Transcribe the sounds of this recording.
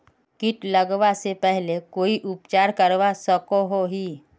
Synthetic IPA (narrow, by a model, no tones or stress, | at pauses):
kɪʈləɡʋasepɛɦlekoːiʔʊpt͡ʃaːɾkəɾʋasəkoɦoɦi